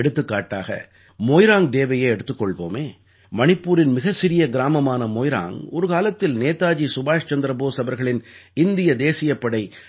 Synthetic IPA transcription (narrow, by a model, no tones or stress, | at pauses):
ɽɯt̪ːɯkːaːʈːa̰ːɣɐ̰ | moːjɾaːŋd̪eːʋɐjeːɛɽɯt̪ːɯkːɔɭʋo̰ːmeː | mɐɳɪpːuːɾɪnmɪɣɐsɪɾɪjɐɡɪɾaːmɐmaːnɐmoːjɾa̰ːŋɔɾɯkaːlɐt̪ːɪlneːt̪ːaːd͡ʒisʊbaːʂt͡ʃɐnd̪ɾɐboːsɐbɐɾɣɐɭɪn | ɪnd̪ɪjɐd̪eːsɪjɐpːɐɽɐɪ